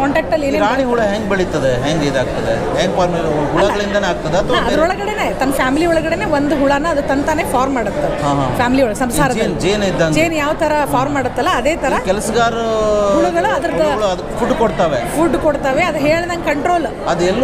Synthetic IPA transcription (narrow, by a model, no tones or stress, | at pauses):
kaːɳʈaːk̚ʈɐlːeːneaaɳiɦuɭeɦeŋɡ̚beɭit̪ːɐd̪eɦeŋɡed̪aːɡ̚t̪ɐd̪ḛ | ɦeːŋɡpʰaːɾmelɦuɐlɭɐɡɐɭind̪ɐneaːɡ̚t̪ɐd̪eɐt̪ʰɐʋɐɐd̪ɐɾɔɭɐɡɐɽeneːt̪ɐnːɐfʰjaːmiliɔɭɐɡɐɽeneːʋond̪uɦuɭanɐɐd̪ut̪ɐnt̪aneːpʰaːɾmːaːɽut̪ːɐɦãːɦãfʰjaːmiliɔɭɐɡsɐmsaːɾɐd̪ɐnd͡ʒeːnid̪ːad͡ʒeːnjaːʋɐt̪ʰɐɾɐpʰaːɾmːaːɽut̪ːɐlːɐɐd̪eːt̪ʰɐɾɾɐkɛlɐsɐɡaːɾɦuɭuɡɐɭuɐd̪ɐɾɐd̪ɐɐɭuɐd̪ukːpʰuɖkoɽt̪aːʋepʰuɖkoɽt̪aːʋeɐd̪ɐɦeːɭnɐŋɡkɐɳʈɾoːl | ɐd̪ɛlː